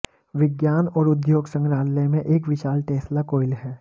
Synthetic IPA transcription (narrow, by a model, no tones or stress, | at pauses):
ʋɪɡjaːnɔːɾʊd̪joːɡsə̃ŋɡɾaːlːemẽʔeːkʋɪʃaːlʈeːslakoːɪlɦɛː